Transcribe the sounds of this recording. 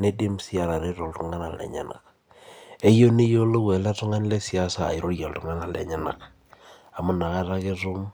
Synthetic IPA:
ne˦di˦msi˦a˨ɾa˨ɾe˦ɾo˨ltu˦ŋa˦na˨lɛ̰˨ɲa̰˦na̰˨k | e˦jo˦ni˦jo˦lo˦wɛ˨la˦tʊ˦ŋa˦n˦le˦si˨a˦sa̰ː˨i˨ɾo˦ja˨ltu˦ŋa˦na˨lɛ̰˨ɲa˦na̰˨k | a˨mʊ˦na˨ka˦ɾa˦ke˦ɾʊ˦m

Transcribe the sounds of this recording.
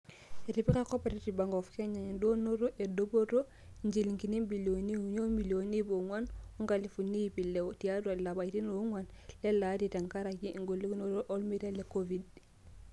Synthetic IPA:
e˨ɾi˨pi˦ka˦ko˦pe˨ɾi˦ti˨ba˨ŋɡo˨fke˦ɲa˨ɲndo˦no˦ɾo˦ʔe˨dobo˦ɾo˦ | ɲd͡ʒi˨li˨ŋki˨ni˦biloni˦uɲo˦milo˨ni˦bo˨ŋwa˦nu˦ŋɡa˨li˨fu˨ni˦pi˨le˨oti˨ja˦dua˨la˨ba˨iti˦no˨˦ŋwan | le˦la˦ti˨ta˨ŋka˦ɾaki˦ʔŋɡo˨li˦kno˦ɾo˦ʔo˦lmi˦ɾa˦le˨kovid

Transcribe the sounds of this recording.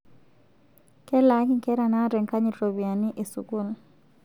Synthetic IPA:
kɛ˦la˨˦ki˦ŋkɛ˦ɾa˨na˦ɾɛ˨ŋka˦ɲi˨ɾo˨bi˨a˨ni˦ʔe˨sṵ˨ku˦˨l

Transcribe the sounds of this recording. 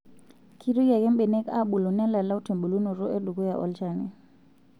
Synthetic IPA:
kʰi˦ɾu˦ja˨kɛ˦mɓe˨nɛ˦ka̰˦ɓu˨lo˨nɛ˦la˨la˦u˦tʰe˨mbu˨lu˦nu˨ɾɔ˦ʔe˦du˨ɡo˦ja˨ʔɔ̰˦lt͡ʃa˦ni˨

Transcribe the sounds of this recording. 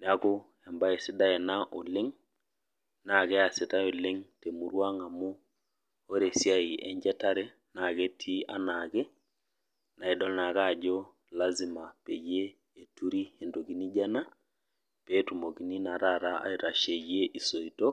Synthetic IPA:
n˨a˦ko˦ | ɛ˨mba˦e˨si˦da˦ɛ˨na˦ʔʊ˨lɪ˦ŋ | na˨kɛ˦a˨sɪ˨ta˦o˨lɪ˦ŋte˨mu˨ɾwa˦ŋa˨mu˦ | o˦ɾe˨sja˦i˨ɛ˦ɲd͡ʒɛ˦ta˦ɾɛ˦ | na˨ke˦tʰi˦a˦na˨kɛ˦ | na˨i˨ɗɔ˦lna˨ka˦˨d͡ʒo˦ | la˦zi˨ma˨pe˨je˦ | e˨tu˦ɾi˦e˨ndo˨ki˨˦ni˦d͡ʒa˦na˦ | pe˦tu˨mo˨ki˨ni˦na˨ɾa˦˨ɾa˦ʔa̰˦i˨ɾa˨ʃe˨je˦ʔi˨so˨i˨to˦

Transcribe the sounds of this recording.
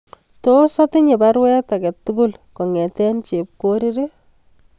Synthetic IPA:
to˦sɔ˦tɪ˦ɲe˨ba˦ɾwɛ˦ta˨kɛ˨tːuɡʊlkɔ˨ŋɛ˨tɛ˦nt͡ʃe˨p̚koɾi˦ɾi

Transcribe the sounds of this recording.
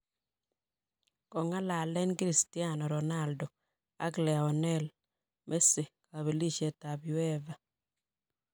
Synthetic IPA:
kɔ˨ŋa˦la˨lɛ˦nkɾi˦sti˦a˦˨nɔ˨ɾɔ˨na˦˨ldɔ˨ | a̰˦ɡlɛ˨a˨ɔ˨nɛ˦l | mʔe˦se˨ka˨βe˨li˦ʃe˨ta˨bi˨wɛ˦va˨

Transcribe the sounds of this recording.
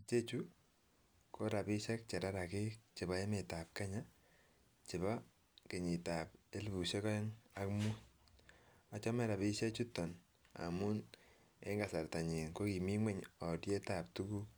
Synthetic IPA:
t͡ʃe˦t͡ʃu˦ | ko˦ɾa˨pi˦ʃɛ˦k̚t͡ʃɛ˨ɾa˦ɾa˨ke˦t͡ʃɪ˨ba˦e˦mɪ˨ta˨p̚ka˦ɲa˦ | t͡ʃɪ˨ba˦ | ke˨ɲi˨ta˨p̚e˦lbu˨ʃe˦kɔ˦e˦ŋa˨kmu˦ | a˨t͡ʃɔ˦mɛ˦ɾa˨bi˦ʃe˦t͡ʃu˦tɔ˨n | a̰˨mu˦n | e˦ŋɡa˨sa˨rta˨ɲi˨nko˦ki˨mi˦ŋwɛ˦ɲɔ˨dje˦ta˨p̚tu˦ku˦

